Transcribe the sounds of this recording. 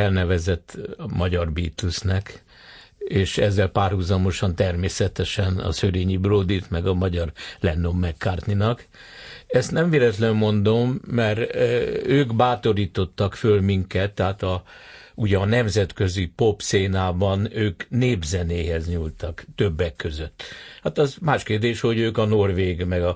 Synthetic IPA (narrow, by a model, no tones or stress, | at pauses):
ɛlnɛvɛzɛt̪ːmɒɟɒrbiːt̪lusnɛk | eːʃɛzːɛlpaːrhuzɒmo̞ʃɒnt̪ɛrmeːsɛt̪ɛʃɛnɒ̰søɾeːɲibroːd̪it̪mɛɡɒmɒɟɒrlɛnːomːɛkːaːrt̪ninɒk | ɛst̪nɛɱveːlɛt̪lɛmːo̞nd̪o̞mːɛr | øːɡbaːt̪o̞ɾiːt̪o̞t̪ːɒkfølmiŋkɛt̪ːɛɦaːt̪ɒ | uɟɛːnɛmzɛt̪kø̞zipo̞pseːnaːbɒnøːkneːbzɛneːɦɛzɲult̪ɒkt̪øbːɛkːøzøt̪ːhat̪ɒzmaːʃkeːrd̪eːʃho̞ɟøːkɒno̞rʋeːɡmɛɡɒ